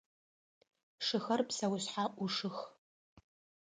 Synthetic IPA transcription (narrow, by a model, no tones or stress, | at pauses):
ʂɨxɐrpsɐwɕħaʔʷuʂɨx